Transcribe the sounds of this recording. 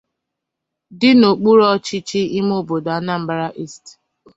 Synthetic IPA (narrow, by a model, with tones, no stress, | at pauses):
dɪ˦no˨k͡pu˦ɾɔ˦t͡ʃi˦t͡ʃi˦i˦m˦o˦˨bo˨da˨˦na˦m̩˦ba˦ɾa˦ʔi˦st